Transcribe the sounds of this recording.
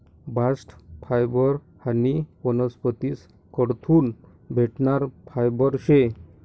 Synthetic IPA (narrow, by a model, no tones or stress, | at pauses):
bʱasʈpʰajbɔɾ | hanipɔnɔspət̪is | kɔɽt̪ʰuːn | bʱeʈɳaɾpʰajbɔɾɕe